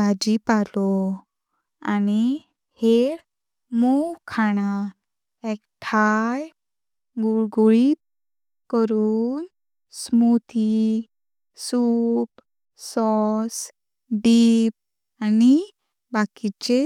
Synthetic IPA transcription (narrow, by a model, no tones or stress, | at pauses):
ad͡ʑipalɔ | ani | heɽ | muwkʰaɽ̃a | ekʈʰaj | ɡuɭɡuɭi | kəɾuːn | smut̪ʰi | sup | sːɔs | ɖiːp̚ | ani | bakit͡ɕe